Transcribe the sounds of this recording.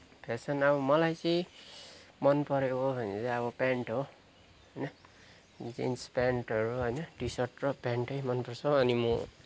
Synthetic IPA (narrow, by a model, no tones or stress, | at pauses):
pʰet͡sʰʌnʌbʌmʌlajt͡sʌĩ | mʌnpʌɾekobʱʌnet͡saʌβʌpaɳʈɦo | ɦʌjnʌ | d͡zḭnspaɳʈɦʌɾuɦʌjnʌɖisʌrʈrʌpaɳʈʌjmʌnpʌrsʰʌʌnimo